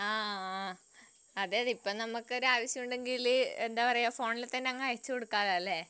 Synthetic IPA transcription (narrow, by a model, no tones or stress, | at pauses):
aː | ɐðeːɐðipːoːnɐmukːɨo̞ɾuaːʋɐɕjɐmuɳɖe̞ŋɡilend̪aːpɐrɐjːafo̞ːɳilt̪ɐnːeɐŋːɐɐjɐt͡ɕːɨkoɽukːaːllːe